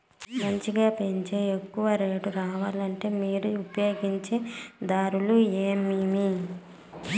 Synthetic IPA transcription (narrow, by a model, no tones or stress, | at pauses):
mɐɲt͡ʃiɡaːpe̞ɲt͡ʃe̞ːekːuʋɐɾeːɖuɾaːʋaːlɐɳʈe̞ːmiːɾuupɐjo̞ːɡiɲt͡ʃe̞ːd̪aːɾulueːmimi